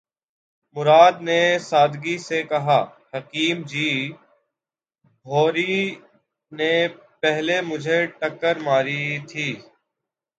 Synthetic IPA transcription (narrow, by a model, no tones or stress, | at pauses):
mʊɾaːd̪nesaːd̪ɡisekɐɦaːhɐkiːmd͡ʒiː | bʱoːɾi | ne | pɛɦlemʊd͡ʒʱeʈəkːəɾmaːɾit̪ʰiː